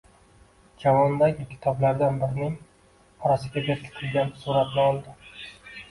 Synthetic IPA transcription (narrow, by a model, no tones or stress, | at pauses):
d͡ʒavɒnd̪aɡʲɪkʲʰɪ̥t̪ʰɒblaɾd̪anbɪɾɪnɪŋ | ɒɾasɪɡʲabʲeɾkʲʰɪ̥t̪ʰɪlɡʲansuɾat̪nɪɒlˠd̪ɪ